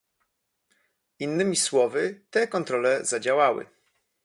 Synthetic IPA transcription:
inːɘmʲiswɔvɘt̪ɛkɔnt̪ɾɔlɛzad͡ʑawawɘ̰

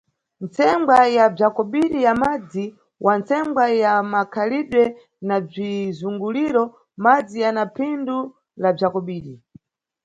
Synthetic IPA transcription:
nt͡sɛŋɡwajab͡ʐakɔɓiɗijamad͡zi | wʔant͡sɛŋɡwajamakʰaliɗwɛ | nab͡ʐizuŋɡuliɾɔ | mad͡zijanapʰindu | lab͡ʐakɔɓiːɗi

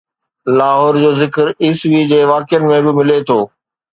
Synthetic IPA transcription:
laːɦɔːɾd͡ʑoːzɪkəɾiːsʋid͡ʑeːʋaːkɪjənɪ̆mẽbɪmɪlet̪ʰoː

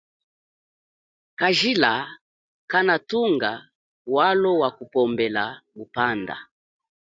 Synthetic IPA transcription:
kaʒila | kanatuŋɡa | walɔwakupɔmbɛlaɡupanda̰

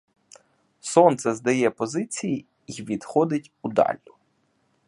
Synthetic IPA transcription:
sɔnt̪sɛzd̪ɐjɛpɔzɪt͡sʲiji | iʋʲid̪xɔd̪ɪtʲud̪ɑ̰lʲːʊ

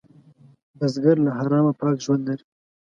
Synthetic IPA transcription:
bazɡaɾlaɦaɾɑːmapɑːkʒwand̪laɾi

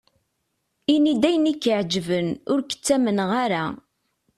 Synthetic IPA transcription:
inid̪æjənikːəʕd͡ʒvənʊɾkə̥t͡sːæmənʁaɾa

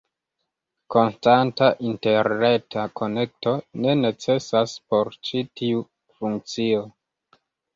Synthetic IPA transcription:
ko̞nstantaʔinte̞ɾne̞tako̞ne̞k̚to̞ne̞ne̞t͡se̞saspo̞ɾt͡ʃitiu | fuŋk̚t͡sio

